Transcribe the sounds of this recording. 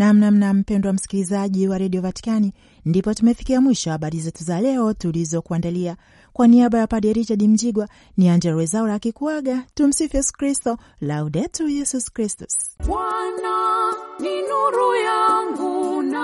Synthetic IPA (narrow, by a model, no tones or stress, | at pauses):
nam̩nam̩nam̩pɛndɔwam̩si̥kilizaʄiwaɾaɗiɔpati̥kani | ndipɔtumɛfi̥kiamwiʃɔahaɓaɾizɛtuzalɛɔtulizɔkuandalia | kwaniaɓajapaɗɛɾit͡ʃaɗim̩d͡ʒiɡwa | niaɲd͡ʒɛɾwɛzauɾakikuaɡatum̩sifjɛsu̥kɾistɔ | lauɗɛtujɛsuskɾistu̥sɓwananinuɾujaŋɡuna